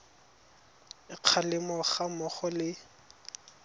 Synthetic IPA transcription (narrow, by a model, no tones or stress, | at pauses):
ɪq͡χʰalɪmɔχamɔχɔlɪ